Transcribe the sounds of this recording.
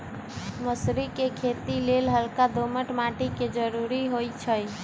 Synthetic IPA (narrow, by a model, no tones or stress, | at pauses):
məsɾikekʰet̪ilelɦəlkad̪ʱoməʈmaʈiked͡ʒəɾuɾiɦojt͡ʃʰəj